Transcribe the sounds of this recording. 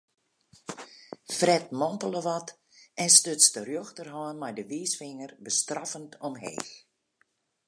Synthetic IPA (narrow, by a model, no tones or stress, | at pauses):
frɛtmɔmpələʋɔt | ʔɛnstøtstərjoxtərɦɔːənmajdəʋiːsfɪŋərbəstrafəntɔmɦḛːx